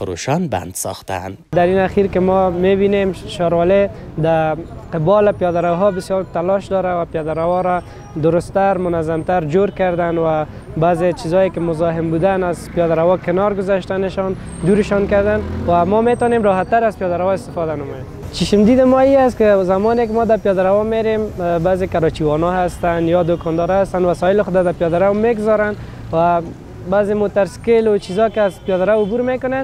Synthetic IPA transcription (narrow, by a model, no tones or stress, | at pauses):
fʊɾo̰ʃɔnba̰nd̪sɔ̰xt̪a̰nd̪aɾinaxiɾkɪmɔmebinemʃɔɾwɔled̪aqɪbɔlɪpijɔd̪aɾawɦɔbɪsjɔlt̪alɔʃd̪ɔɾawapjɔd̪aɾawɔɾa | d̪ʊɾʊst̪aɾmʊnazamt̪aɾd͡ʒoɾkaɾd̪anwa | bazet͡ʃizɔjekɪmʊzɔɦɪmbud̪anazpijɔd̪aɾawɔkɪnɔɾɡʊzaʃt̪anɪʃɔn | d̪uɾɪʃɔnkaɾd̪anwamɔmet̪ɔnemɾɔɦat̪ːaɾazpjɔd̪aɾawɔɪst̪ɪfɔd̪anamɔjem | t͡ʃiʃɪmd̪id̪ɪmɔiast̪kɪzamɔnek̬ɪmɔd̪apjɔd̪aɾawɔmeɾembazekaɾɔt͡ʃiwɔnɔɦast̪anjɔd̪okɔnd̪ɔɾast̪anwasɔjɪlɪxʊd̪ad̪apjɔd̪aɾawmeɡzɔɾan | wa | bazemot̪aɾskɪlʊt͡ʃizɔkɪazpjɔd̪aɾawʊbuɾmekʊnen